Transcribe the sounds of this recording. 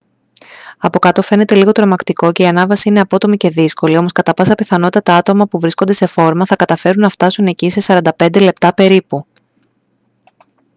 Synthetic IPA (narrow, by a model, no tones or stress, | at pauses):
ɐpo̞kɐt̪o̞fe̞ne̞t̪e̞liɣo̞t̪ɾo̞mɐkt̪iko̞ce̞iɐnɐvɐsiine̞ɐpo̞t̪o̞mice̞ðisko̞lio̞mo̞skɐt̪ɐpɐsɐpiθɐno̞t̪it̪ɐt̪ɐɐt̪o̞mɐpuvɾiskond̪e̞se̞fo̞ɾmɐθɐkɐt̪ɐfe̞ɾunːɐft̪ɐsune̞cise̞sɐɾɐnd̪ɐpe̞nd̪e̞le̞p̚t̪ɐpe̞ɾipu